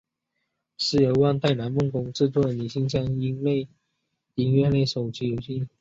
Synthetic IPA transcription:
sɻ̩˥˩ə˧˥wa˥˧nt̪a˥˩ɪna˧˥nmʊ˥˩ŋkʊ˧˥ŋʈ͡ʂɻ̩˥˧t͡s̪wɔ˥˩ə˨ni˨˩ɕi˥˧ŋɕ̬jɑ˥˩ŋi˧˥ŋle˥˩ɪ | i˧˥ŋɥɛ˥˧nle˥˩ɪʂo˨˩ʊt͡ɕi˧˥jo˨˩ʊɕi˥˩n

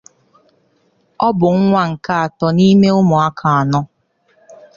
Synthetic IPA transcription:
ɔ˦bʊ˨ŋ̩˦ŋʷa˦ŋ̩˨ka˦a˨tɔ˨ni˦me˦ʊ˦mʊ˨a˦kʰa˨a˨nɔ˦

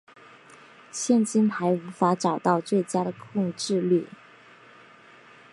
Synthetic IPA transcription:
ɕjɛ˥˧nt͡ɕi˥nt̪ʰa˧˥ɪu˧˥fa˧˥ʈ͡ʂɑ˨˩ʊt̪ɑ˥˧ʊt͡swe˥˩ɪt͡ɕja˥ɾə˨kʰʊ˥˧ŋʈ͡ʂɻ̩˥˧ly˥˩

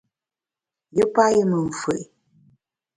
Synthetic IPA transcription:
jə˦pa˦jə˦mə˨ɱ̩˨fə˨ʔ

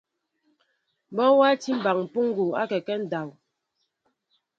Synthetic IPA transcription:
m̩˨bɔ˦wa˦ti˦m̩˦˨ba˨ŋm̩˨pu˦ŋ˦ɡu˨a̰˦kɛ˨kɛ˦n̩˦˨da˨w

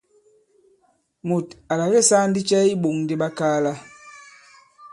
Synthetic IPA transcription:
mu˨ta˨la˨ɣe˦˨sa˦n˦di˦t͡ʃɛ˦i˦ɓo˨ŋndi˦ɓa˦kaː˦la˦

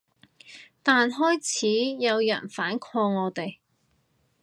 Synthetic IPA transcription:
t̪aː˨nɦɔː˥jt͡sʰiː˨˥jɐ˨˧wjɐ̰˨˩nfaː˨˥nkʰɔː˧ŋɔː˨˧t̪e˨j

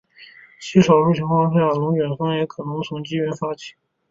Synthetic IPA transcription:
t͡ɕʰi˥ʂɑ˨˩ʊɻu˥˩ɕʰi˧˥ŋkwɑ˥ŋʂja˥˩lʊ˧˥ŋt͡ɕɥɛ˨˩nfa˥ŋjɛ˧˥kʰɤ˨˩nɤ˧˥ŋt͡sʰʊ˧˥ŋt͡ɕi˥ɥɛ˧˥nfa˥t͡ɕʰi̥˨˧˩

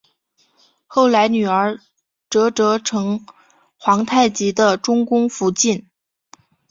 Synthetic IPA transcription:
xo˥˩ʊla˧˥ɪny˨˩ə˞˧˥ | ʈ͡ʂɤ˧˥ʈ͡ʂɤ˧˥ʈ͡ʂʰɤ˧˥ŋ | xwɑ˧˥ŋt̪ʰa˥˩ɪt͡ɕi˧˥d̪ə˧ʈ͡ʂʊ˥ŋkʊ˥ŋfu˧˥t͡ɕi˥˩n

